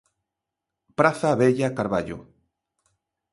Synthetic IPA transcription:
pɾaθaβeʎakaɾβaʎo̰

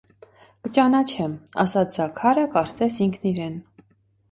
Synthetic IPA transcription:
kət͡ʃɑnɑt͡ʃʰɛmɑ̰sɑt͡sʰzɑkʰɑɾəkɑɾt͡sɛsiŋkʰniɾɛn

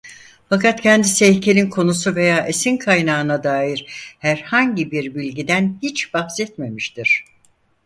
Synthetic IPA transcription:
fakat̪cʰɛnd̪isɛcʰe̞lʲinkʰo̞nusuve̞jaːʔesinkʰajnaːɯnad̪aːjiɾhæɾhaɲɟibiɾbilʲɟid̪ænhit͡ʃb̥ahsɛt̪̚me̞miʃt̪iɾ̝̥

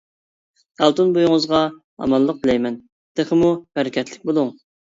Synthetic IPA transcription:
d̪̥ɑlˠt̪unbojuŋəzʁɑ | ɑ̰mɑlˠːəq̚bɪlɛjmɛn | d̪̥eχəmubæɾɪkʲʰɛt̪ʰlɪk̚ʲbolˠuŋ

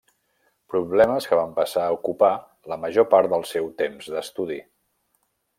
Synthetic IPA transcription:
pɾuβlɛməskəβ̞ampəsaəukupa | ləməʒopaɾt̪̚d̪əlˠsɛwt̪emzdəst̪uði

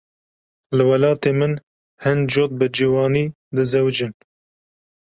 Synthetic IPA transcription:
lɨwɛlɑːt̪eːmɨn | hɨnd͡ʒoːt̪̚bɨd͡ʒiːwɑːniː | d̪ɨzɛwd͡ʒɨn

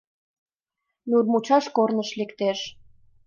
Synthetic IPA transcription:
nurmut͡ɕɑʃkornəʃlekt̪eʃ

